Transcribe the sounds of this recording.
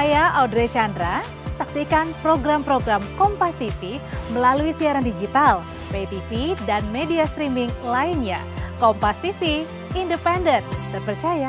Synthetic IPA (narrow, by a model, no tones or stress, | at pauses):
ajaʔawdɾet͡ʃandɾa | saksikanpɾoɡɾampɾoɡɾamkɔmpast̪ifiməlaluisiaɾandid͡ʒit̪al | tet̪ifidanmediast̪ɾimiŋlainɲa̰ | kɔmpast̪ifiː | ndəpɛndənt̪̚t̪əpərt͡ʃaja